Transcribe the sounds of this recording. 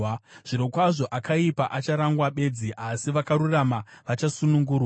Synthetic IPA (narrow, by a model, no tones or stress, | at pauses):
ʐ̥iɾokwaʐo̞ʔakaipaʔat͡ʃaɾaŋɡwaɓe̞d͡ziʔasiʋakaɾuramaʋat͡ʃasunuŋɡuːrwa